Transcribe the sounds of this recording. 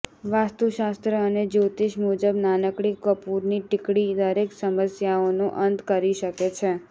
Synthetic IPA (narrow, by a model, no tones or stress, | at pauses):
ʋast̪uʃast̪ɾəːned͡ʒot̪iʃmud͡ʒəbnanəkɽikʋəpuɾniʈɪkɽid̪əɾeksəməsjaonũʔənt̪kəɾiʃəket͡ʃʰe